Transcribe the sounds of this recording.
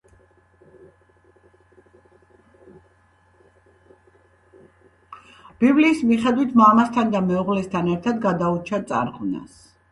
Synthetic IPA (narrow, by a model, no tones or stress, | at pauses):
b̥ibliːsmiχɛd̪wit̪ʰmamast̪ʰand̪amɛuʁlɛst̪ʰanɛɾt̪ʰad̪ɡad̪aut͡ʃʰat̪sʼa̰ɾʁʼuna̰s